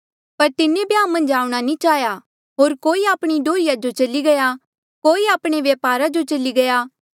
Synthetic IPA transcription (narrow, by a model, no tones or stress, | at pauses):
pɐɾt̪ɪnːebiãːmɐ̃nd͡ʒaːuɽ̃anĩt͡ʃaːɦja | ɦoːɾkoːiaːpɽ̃iɖʱoːɪjad͡ʒot͡ʃɐliɡɐja | koːiaːpɽ̃eʋjɐːpaːɾad͡ʒot͡ʃɐliɡɐjaː